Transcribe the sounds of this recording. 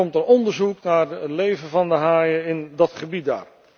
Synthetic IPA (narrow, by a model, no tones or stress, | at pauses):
ɔmtərɔndəɹzuknaːɹətlejvənvɑndəɦaːjəɪndɑtχəbit̚da̰ːɹ